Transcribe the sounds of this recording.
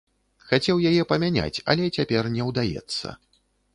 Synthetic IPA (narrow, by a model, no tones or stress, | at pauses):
xat͡sʲɛwjajɛpɐmʲanʲa̰t͡sʲɐ̰lʲɛt͡sʲapʲɛrnʲɛwd̪ajɛ̰t̪sːɐ̰